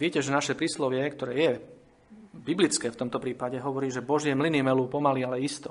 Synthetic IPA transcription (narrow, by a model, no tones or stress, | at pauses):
ʋɪɛcɛʒɛnaʃɛpɾiːslɔʋɪɛkt̪ɔɾɛːjɛ | biblit͡skɛːft̪ɔmt̪ɔpɾiːpaɟɛɦɔʋɔɾiːʒɛbɔʒɪɛmlinimɛlupɔmalialɛist̪ɔ